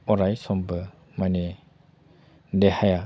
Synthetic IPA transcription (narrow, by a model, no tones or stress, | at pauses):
ɔɾajsɔmbə | mane | dehaja